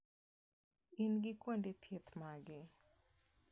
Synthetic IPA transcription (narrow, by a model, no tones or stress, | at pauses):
inɡɪkwondet̪ʰjet̪maɡɪ